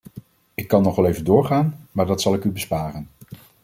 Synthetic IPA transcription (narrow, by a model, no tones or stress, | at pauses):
ɪkːɑnːɔχʋɛlejvədʊːɹχaːnmaːɹdɑtsɑlˠɪkybəspaːrən